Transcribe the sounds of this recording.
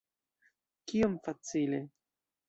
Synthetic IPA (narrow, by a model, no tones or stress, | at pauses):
kiomfat͡sile